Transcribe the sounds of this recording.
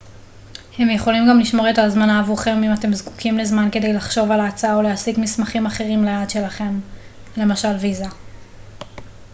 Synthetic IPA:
he̞mjeχo̞limɡamliʃmo̞ʁetazmanaːvuχemimate̞mzku̥kʰimlezmanke̞de̞jlaχʃo̞valat͡saaoleasikmismaχimaχe̞ʁimlead̪ʃe̞laχe̞m | le̞maʃalviza

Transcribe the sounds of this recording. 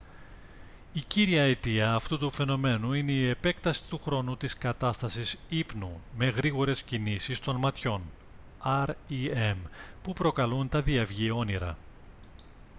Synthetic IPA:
iciɾiɐet̪iɐːft̪ut̪ufe̞no̞me̞nuine̞ie̞pe̞kt̪ɐsi̥t̪uxɾo̞nut̪iskɐt̪ɐst̪ɐsisipnume̞ɣɾiɣo̞ɾe̞scinisist̪o̞nmɐt̪ço̞n | ɐɾiempupɾo̞kɐlunt̪ɐðiɐvʝio̞niɾɐ̰

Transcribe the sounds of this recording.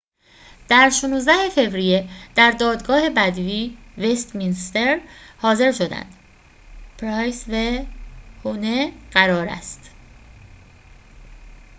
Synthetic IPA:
d̪̥æɾʃonuːzd̪æhe̞fe̞vɾije̞d̪̥æɾd̪ɒːd̪ɡɒːhe̞bæd̪viːve̞st̪minst̪e̞ɾhɒːze̞ɾʃo̞d̪æ̰nd̪̥ | pʰɾɒjsve | honeɢ̥æɾɒːɾæ̰st̪

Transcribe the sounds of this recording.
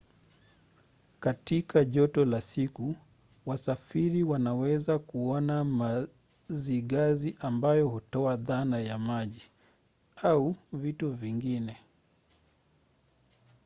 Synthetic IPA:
katikaʄɔtɔlasiku | wasafiɾiwanawɛzakuɔnama | ziɠaziʔambajɔhutɔaðanajamaʄi | auvituviŋɡinɛ

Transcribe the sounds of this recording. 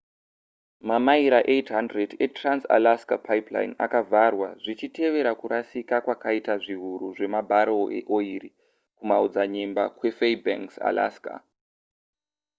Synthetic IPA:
mamaiɾaʔetɦandrede̞transa̰laskapʰaipla̰ina̰kavʱarwaʐit͡ʃite̞ʋe̞ɾakuɾasikakwakaitaʐiɦuɾuʐe̞mabʱaɾoḛʔo̞iri | kumaud͡zaɲemba̰kwe̞feiba̰ŋksa̰la̰ska̰

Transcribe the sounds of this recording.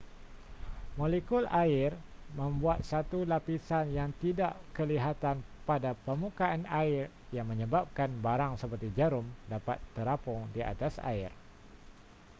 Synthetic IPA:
molekulʔaɪrmə̃mbuat̪̚sat̪ulapisanjaŋt̪idaʔkəliɦat̪anpadapəmukaanaɪr | jaŋmə̃ɲəbap̚kanbaɾaŋsəpərt̪id͡ʒəɾʊmdapat̪ːəɾapɔŋdia̰t̪asa̰ɪ̰r

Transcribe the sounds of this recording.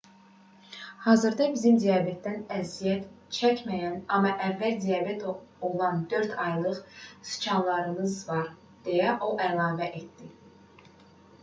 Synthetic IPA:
hɑːzɯɾd̪ɑbizimd̪ijɑbet̪̚d̪ænæzijæt̪ | t͡ʃʰæcmæjænɑmːɑʔævːæld̪ijɑbet̪ʰolˠɑnd̪ø̞ɾt̪ʰɑjlˠɯχsy̥t͡ʃʰɑnlˠɑɾɯmɯzvɑɾ | d̪̥ejæʔo̞ʔælˠɑːvæʔet̪d̪i

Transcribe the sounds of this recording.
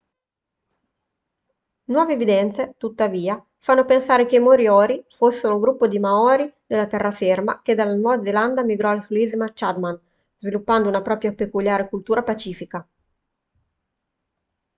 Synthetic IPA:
nwɔːveːvid̪ɛnt̪set̪ut̪ːaviːa | fanːopensaːɾekemoɾjɔːɾifosːeɾoɡɾupːod̪imaɔɾid̪elːat̪ɛrːaferma̰k̟ed̪alːanwɔːvad̪zeland̪amiɡɾɔalasulizmat͡ʃad̪man | z̥vilupːand̪ounapɾɔːpɾjapekuljaːɾekult̪uːɾapat͡ʃiːfika

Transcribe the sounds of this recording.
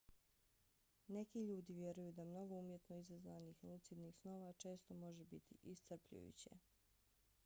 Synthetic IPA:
ne̞kiʎuːd̪iʋje̞ɾujud̪amno̞ɡo̞umje̞t̪no̞izazʋanixnut̪sid̪nixsno̞ʋat͡ʃe̞ːst̪o̞mo̞ʒebit̪ḭʔist̪r̩pʎṵjṵt͡ɕḛ

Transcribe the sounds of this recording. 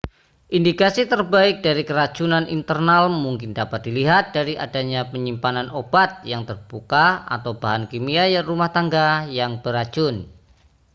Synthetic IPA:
ʔindikasit̪ərbaɪk̚daɾikəɾḁt͡ʃunanḭnt̪ərnalmuŋkɪndapat̪̚d̥iliɦat̪̚d̥aɾiʔadaɲapəɲimpananʔobat̪̚jaŋt̪ərb̥ukaa̰t̪awbaɦankimiajarumaht̪aŋɡajaŋb̥əɾḁt͡ʃʊn

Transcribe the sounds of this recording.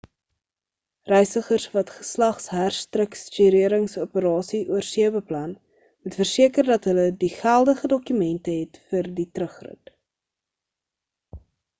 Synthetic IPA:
rɛjsəχərsvɐtχə̥slɐχsɦærstrəkst͡ʃiɾiəɾəŋsupəɾɑːsiʔuərsiəbəplɐn | mutfərsiəkərdɐtɦələdiχælˠdəχədɔkymɛntəɦɛtfərditrəχrə̰t

